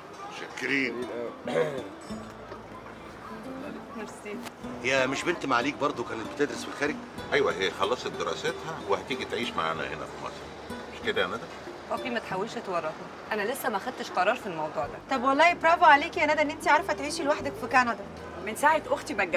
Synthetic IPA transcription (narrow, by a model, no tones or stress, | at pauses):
mʃækːeɾiːn | mɑɾsiːhjæmeʃbent̪maʕaliːk̚bɑɾˤd̪ˤokæːnet̪̚bet̪ed̪ɾesfilxæːɾeɡ | ʔæjwæɦejːæxɑlːɑsˤɑt̪̚d̪eɾˤɑ̰set̪hæwehæt̪iːɡit̪ʕiːʃma̰ʕa̰ːnæ̰henæ̰fimɑ̰sˤɾˤ | meʃked̪æʔænæd̪æ | ʔofiːmæt̪ħawːelʃʔæt̪wɑrˤːɑt̪ni | ʔænælesːæmæxæd̪̚t̪eʃqɑɾˤɑːɾˤfilmɑwd̪ˤuːʕd̪æt̪ˤɑbwɑlːɑːjebɾˤɑːvoʕaleːkjænæd̪æʔenːʔent̪iʕɑɾˤɑfæt̪ʕiːʃilwaħd̪ækfikænɑd̪ˤɑ | mensaʕet̪ʔoxt̪imæɡː